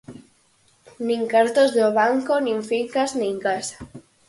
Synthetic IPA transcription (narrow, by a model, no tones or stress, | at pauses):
niŋkaɾt̪ozðoβaŋkonĩɱfiŋkaznĩŋkasḁ